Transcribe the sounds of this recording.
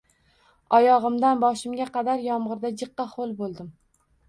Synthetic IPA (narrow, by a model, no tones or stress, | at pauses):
ɒjɒʁɨmd̪anbɒʃɪmɡʲaqʰɑd̪aɾjɒmʁɨɾd̪ad͡ʒɨqːɑχolˠbolˠd̪ɪm